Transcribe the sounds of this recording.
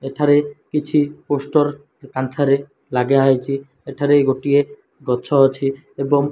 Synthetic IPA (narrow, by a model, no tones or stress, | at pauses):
eʈʰaɾekit͡ɕʰiposʈoɾ | kant̪ʰaɾe | laɡeajt͡ɕʰi | eʈʰaɾeɡoʈije | ɡɔtːʃʰoɦɔt͡ɕʰi | eboŋ